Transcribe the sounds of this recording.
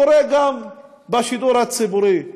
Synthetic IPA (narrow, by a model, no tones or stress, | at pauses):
ɔɾɛɡam | baʃid̪uɾat͡sibuɾi